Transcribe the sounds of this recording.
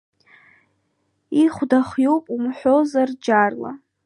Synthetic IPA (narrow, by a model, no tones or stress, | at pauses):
iχʷdaχjowpʼumħʷᶣozard͡ʒarla̰